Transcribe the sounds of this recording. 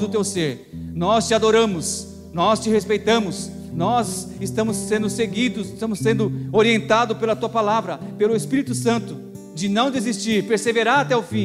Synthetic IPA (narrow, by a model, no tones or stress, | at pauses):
d̪ʊt̪ewseɾ | nɔst͡ʃɪad̪oɾɐ̃mʊs | nɔst͡ʃɪhespejt̪ɐ̃mʊs | nɔzɪst̪ɐ̃mʊsːẽnd̪ʊseɡid̪ʊsɪst̪ɐ̃mʊsːẽnd̪ʊoɾiẽnt̪ad̪ʊpelɐat̪uɐpalavɾɐpelʊespiɾit̪ʊsɐ̃nt̪ʊ | d͡ʒɪnɐ̃w̃d̪ezist͡ʃiɾpeɾseveɾaːt̪ɛʊfĩ